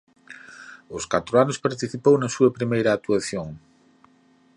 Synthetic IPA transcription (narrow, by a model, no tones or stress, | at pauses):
ʊskat̪ɾoanʊspaɾt̪iθipownɐsuɐpɾimejɾɐːt̪uaθjoŋ